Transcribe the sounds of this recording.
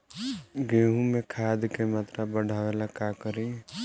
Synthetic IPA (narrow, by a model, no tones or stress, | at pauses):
ɡeːɦũmẽkʰaːd̪kemaːt̪ɾabəɽʱaːʋelakakəɾi